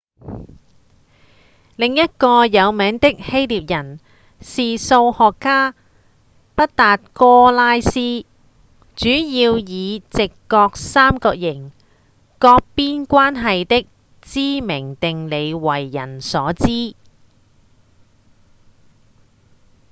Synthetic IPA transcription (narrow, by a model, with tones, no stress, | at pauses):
lɪ˨ŋjɐ˥t̚kɔː˧jɐ˨˧wmɛː˨˥ŋt̪ɪ˥k̚he˥jliː˨p̚jɐ˨˩n | siː˨˩so˧whɔː˨kːaː˥ | pɐ˥t̚t̪aː˨t̚kɔː˥laː˥jsiː˥ | t͡ʃyː˨˥jiː˧wjiː˨˧t͡sɪ˨kːɔː˧k̚saː˥mkɔː˧k̚jɪ˨˩ŋ | kɔː˧k̚piː˥nkʷaː˥nɦɐ˨jt̪ɪ˥k̚ | t͡siː˥mɪ˨˩ŋt̪ɪ˨ŋle˨˧jwɐ˨˩jːɐ̰˨˩nsɔː˨˥t͡siː˥